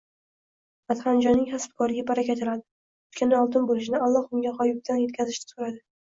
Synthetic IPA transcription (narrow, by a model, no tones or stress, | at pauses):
at̪χand͡ʒɒnːɪŋhasb̚kʰɒɾɪɡʲapaɾakʲat̪ʰɪlad̪ɪ | ʊt̪kʲanɪɒlˠt̪ɪnbolɪʃɪnɪalˠːɒχʊŋɡʲaχɒjʊk̚t̪ʰanje̞t̪̚ʲkʲazɪʃt̪ɪ̥sʊɾad̪ɪ